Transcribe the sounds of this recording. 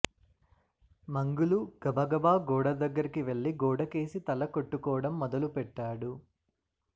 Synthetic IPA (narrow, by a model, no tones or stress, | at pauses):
mɐŋɡuluɡ̥ɐbʱɐɡɐbaːɡɔːɽɐd̪ɐɡːɐɾikiʋe̞ɭːiɡɔːɽɐke̞ːsit̪ɐlɐkoʈːukɔːɐɽɐmːɔd̪ɐlupɛʈːaːɽu